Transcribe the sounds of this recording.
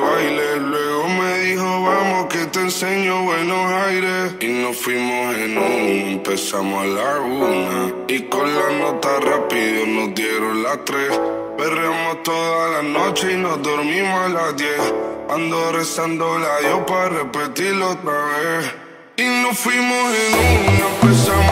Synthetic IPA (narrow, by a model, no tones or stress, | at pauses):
βajlelweɣomeðihoβamohket̪enseɲoβwenosajɾesinofwimosenũŋempesamolaɣunaikonlanot̪arapiðonozd̪jeɾonlat̪ɾes | beramoht̪oðalanot͡ʃeinozd̪oɾmĩmolad̪jeθkand̪oresand̪olajoparepet̪iɾlot̪ɾaβes | inofwimosenũnopesam